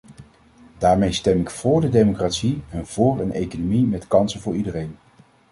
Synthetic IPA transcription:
daːɹmejstɛmɪkfʊːɹdədejmokratsiɛnv̥ʊːɹənʔejkonomimɛtkɑnsənvʊːɹidərejn

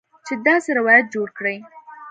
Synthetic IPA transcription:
t͡ʃed̪ɑseɾɪwɑjat̪̚d͡ʒoɽkɽəj

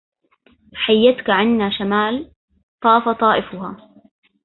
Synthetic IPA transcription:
ħajːat̪kaʕɪnːaːʃamaːl | t̪ˤɑːfɑt̪ˤɑːʔɪfʊhaː

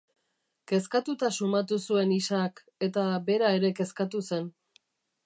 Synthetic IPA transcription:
ke̞skat̪ut̪asumat̪usue̞nisak | e̞t̪abe̞ɾaeɾe̞ke̞skat̪use̞n

